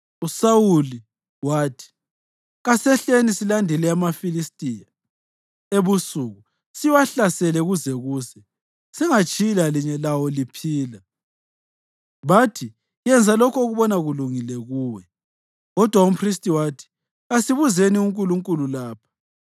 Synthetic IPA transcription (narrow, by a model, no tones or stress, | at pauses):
usawuli | waːtʰi̥ | ɣasɛɬenisilandʱɛlɛamafilistʼija | eβusuɣu | siwaɬasɛlɛɣuzɛɣuːzɛ | sɛŋat͡ʃʼilaliɲɛlawɔlipʰiːla | βatʰi | jɛnd͡zʱalɔkʰɔɣuβɔnaɣuluŋilɛɣuːwɛ | ɣɔd̥ʱwaum̩pʰristʼiwaːtʰi̥ | ɣasiβuzeniuŋkʼuluŋkʼululaːpʰḁ